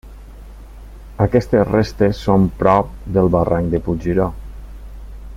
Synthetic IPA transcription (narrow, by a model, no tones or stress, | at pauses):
əkɛst̪esrest̪esːompɾɔp̚d̪əlˠβaraŋkd̪əpud͡ʒiɾɔ